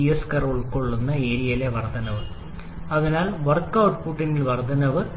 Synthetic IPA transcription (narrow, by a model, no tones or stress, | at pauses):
ijɐskɐroːɭkoɭːunːɐeːɾijɐleʋɐrd̪ʱɐnɐʋɨ | ɐðinaːlʋɐrkːɐwʈpuʈːinilʋɐrd̪ʱɐnɐʋɨ